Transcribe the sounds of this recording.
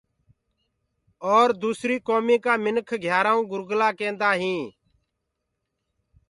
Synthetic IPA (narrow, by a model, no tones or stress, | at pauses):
ɔːɾd̪uːsɾiːkoːmiːkaːmɪnkʰɡʱjaːɾãːũːɡʊɾɡlaːkẽːnd̪aːɦĩː